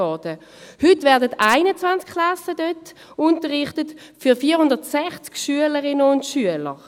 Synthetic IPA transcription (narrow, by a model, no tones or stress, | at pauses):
ɔd̥ə | hʏtvɛɐdətaɪnət͡svant͡skʰːlasədœt | ʊntəʁɪχtət | fyʁfiːɐhʊndəʁtsɛχt͡skʃyələʁɪnəʊntʃyələʁ